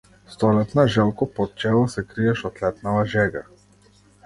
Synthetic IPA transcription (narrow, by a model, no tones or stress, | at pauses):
st̪ɔlɛt̪naʒɛlˠkɔpɔt̪̚t͡ʃɛlˠɔsɛkɾiɛʃɔt̪lɛt̪navaʒɛɡa̰